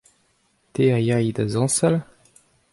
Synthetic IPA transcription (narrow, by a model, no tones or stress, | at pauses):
t̪ejajd̪azɑ̃sal